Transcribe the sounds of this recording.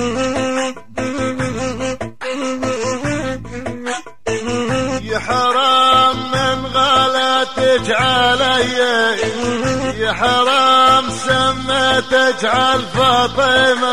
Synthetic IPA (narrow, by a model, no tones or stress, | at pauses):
jɪħɑɾˤɑːmːɪnɣalat̪ɪd͡ʒʕalaja | jɪħɑɾˤɑːmsamːat̪ɪd͡ʒʕalfɑt̪ˤema